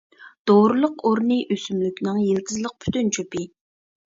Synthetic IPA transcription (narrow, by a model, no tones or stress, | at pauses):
d̪̥oɾɨlˠʊqoɾnɨʔøsymlykʲnɨŋjelkʲʰizlˠəq̚pʰy̥t̪ynt͡ʃʰopɪ